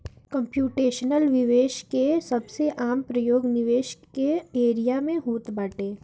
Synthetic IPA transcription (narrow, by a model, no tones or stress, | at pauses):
kə̃mpjuːʈeːʃnəlʋɪʋeːʃkesɐbseʔaːmpɾɐjoːɡnɪʋeːʃkeeːɾijamẽɦoːt̪baːʈeː